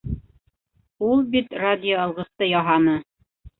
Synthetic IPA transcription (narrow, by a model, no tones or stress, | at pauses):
ulˠbit̪rad̪ʲɪjoɑlˠʁɤ̆st̪ɤjɑɦɑnɤ